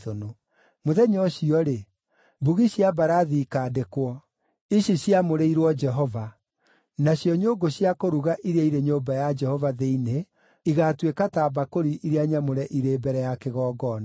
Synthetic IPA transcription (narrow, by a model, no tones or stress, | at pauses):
ono | moðɛɲɔɕiɔɾe | buɣiɕjabaɾaðiːkaːdekwɔ | iɕiɕjamoɾeiɾwɔd͡ʒɛɦɔva | naɕjɔɲoːɡoɕiakoɾuɣaʔiɾeaiɾeɲoːbajad͡ʒɛhɔvaðeine | iɣaːtwekataːbakoɾiʔiɾeaɲamoɾɛʔiɾeːbɛɾɛjakeɣɔːɡɔːna